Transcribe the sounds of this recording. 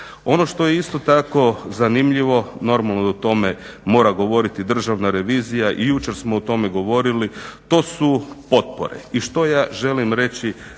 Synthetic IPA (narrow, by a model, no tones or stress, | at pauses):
o̞no̞ʃt̪o̞jeist̪o̞t̪ako̞zanimʎiʋo̞no̞ɾmalˠnout̪o̞memo̞ːɾaɡo̞ʋo̞ɾit̪id̪r̩ʒaʋnaɾe̞ʋiːzijaʔijuːt͡ʃe̞ɾsmout̪o̞meɡo̞ʋo̞ɾilit̪o̞ːsupo̞t̪̚po̰ɾḛiʃt̪o̞jaːʒe̞limɾe̞t͡ʃi